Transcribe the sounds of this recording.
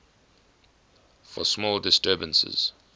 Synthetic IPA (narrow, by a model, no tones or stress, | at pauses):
fɔ̰smɔːldɪstɜːbə̃nsɪ̰z̥